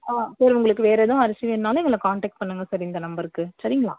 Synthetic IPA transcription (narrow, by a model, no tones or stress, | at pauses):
aːsɐːɾʊŋɡɐɭɯkːɯʋeːɾeðʊ̃ɐɾɐsɪʋɛnːaːlʊ̃ɛŋɡɐɭːɐkaːɳʈeːk̚ʈ̚pɐɳːɯŋɡɐsɐɾɪnd̪ɐnɐmbɐɾkːɯsɐɾɪŋɡɐɭa̰ː